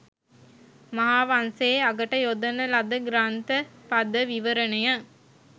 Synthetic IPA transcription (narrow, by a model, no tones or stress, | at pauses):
mɐɦaːʋanseːɐɡɐʈɐjod̪ɐnɐlɐd̪əɡɾaːnt̪əpɐd̪əʋiʋəɾənɐjɐ